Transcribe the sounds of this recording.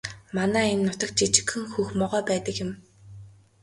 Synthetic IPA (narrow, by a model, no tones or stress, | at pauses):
manæːenːʊt̪ə̆k̚t͡ɕit͡ɕɪ̥̆kxɘ̆ŋxuːxmɔʁœːpæːt̪ə̆kjɪ̆m